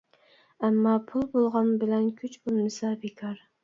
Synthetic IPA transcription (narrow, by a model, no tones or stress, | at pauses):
æmːɑpʰʊlˠbolˠʁɑnbɪlɛnkʲʰyt͡ʃbulmɨsɑbɪkʰɑɾ